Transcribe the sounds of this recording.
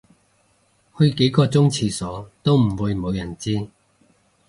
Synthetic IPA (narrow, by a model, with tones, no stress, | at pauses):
hɵ˧ɥke˨˥jkɔː˧t͡sʊ˥ŋt͡sʰiː˧sɔː˨˥t̪o˥wm̩˨˩wuː˨˧jmo˨˧wjɐ˨˩nt͡siː˥